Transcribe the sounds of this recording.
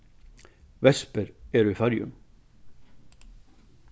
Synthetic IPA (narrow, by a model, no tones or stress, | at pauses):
ʋɛspəɾeːɾʉiːfæɾjʉ̰m